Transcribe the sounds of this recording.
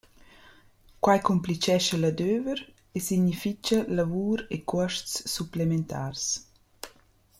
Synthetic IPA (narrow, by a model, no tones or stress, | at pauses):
kwajkɔmplit͡ʃɛʃəlad̪øːvəɾ | esiɲifit͡ʃɐlavuːɾekʰɔəʃtsːuplement̪ʰa̰ːrs